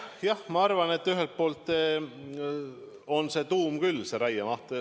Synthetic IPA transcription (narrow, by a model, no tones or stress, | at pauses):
jɑhmɑɑrvɑne̞t̪ːyɦelt̪̚po̞ːlt̪ːˑe | onse̞ːt̪uːmkylːseɾæjemɑht̪e